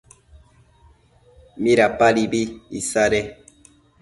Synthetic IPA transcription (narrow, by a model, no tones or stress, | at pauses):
mĩɾapaɾibiisaɾe